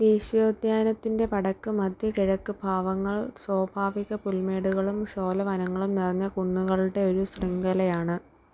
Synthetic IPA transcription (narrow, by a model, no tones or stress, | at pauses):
d̪eːɕjoːd̪jaːnɐt̪ːinde̞pɐɽɐkːɨmɐd̪ʱjɐkiɻɐkːɨbʱaːʋɐŋːɐɭswɐːbʱaːʋiɣɐpulme̞ːɽuɣɐɭumɕo̞ːlɐʋɐnɐŋːɐɭumnirɐɲːɐkuɳːuɣɐɭuɽe̞o̞ɾusriŋɡɐlɐjaːɳɨ